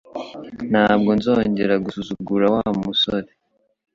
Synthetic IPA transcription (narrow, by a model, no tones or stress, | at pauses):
n̥aːbɡo̞nzo̞ːɲɟe̞ɾaɡusuzuɡuɾawamusoɾe